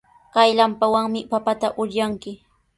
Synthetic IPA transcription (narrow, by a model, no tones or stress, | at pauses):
kajlampawaŋmɪpapat̪aʔʊɾjaŋkɪ